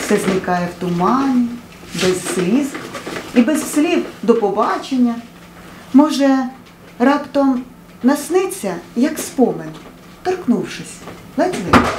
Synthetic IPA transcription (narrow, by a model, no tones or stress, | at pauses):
sɛznʲikɑjɛwt̪ʊmɑnʲi | bɛzːʲlʲizibɛzsʲlʲiwd̪ɔpɔbɑt͡ʃenʲːɐ | mɔʒɛ | rɑpt̪ɔm | nɐsnɪt͡sʲːɐjɐkspɔmen | t̪ɔrknuwʃɪsʲ | lˠɛt̪ʲlˠɪ